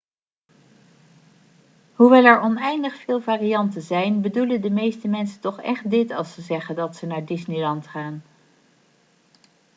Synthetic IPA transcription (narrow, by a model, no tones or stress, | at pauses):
ɦuʋɛlˠɛɹɔnɛjndəχfɪːlˠvaːrijɑntəzɛjnbəduləndəmejstəmɛnsətɔχɛ̰χt̚dɪtɑlˠsəzɛχəndɑtsənaːɹdɪsnilɑntχaːn